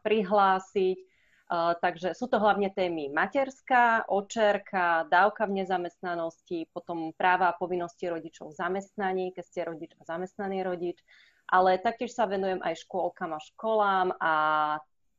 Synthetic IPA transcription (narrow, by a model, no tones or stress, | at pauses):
pɾiɦlaːsic | t̪aɡʒɛsuːt̪ɔɦlaʊɲɛt̪ɛːmimacɛɾskaʔɔt͡ʃɛɾkʰad̪aːʊkavɲɛzamɛst̪nanɔscipɔt̪ɔmpɾaːʋaːpɔʋinːɔsciɾɔɟit͡ʃɔʊvzamɛst̪naɲiːkɛcscɛɾɔɟid͡ʒazamɛst̪naniːɾɔɟit͡ʃ | ʔalɛt̪ak̚cɪɛʃsaʋɛnujɛmʔa̰jʃkʊɔlkamaʃkɔlaːma